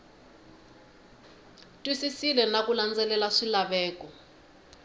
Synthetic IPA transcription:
tʼwisisilɛnakuland͡zɛlɛlaʂilaɓɛːkɔ

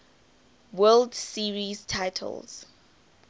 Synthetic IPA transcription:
wɛldsiɹiztʰajtʰə̰lˠz̥

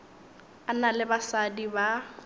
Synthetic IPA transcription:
analɪbasadiba

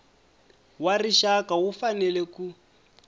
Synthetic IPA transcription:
wariʃakawufanɛlɛku

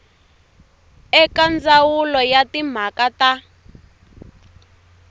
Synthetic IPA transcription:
ɛkand͡zawulɔjatim̤akata

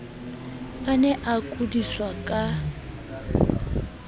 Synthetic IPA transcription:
anɛʔakʼudiswakʼa

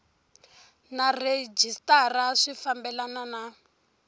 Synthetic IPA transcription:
nared͡ʒistaraʂifambɛlanana

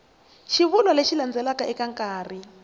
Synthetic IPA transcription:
ʃiβulwaleʃiland͡zɛlakaʔɛkaŋkʼaːri

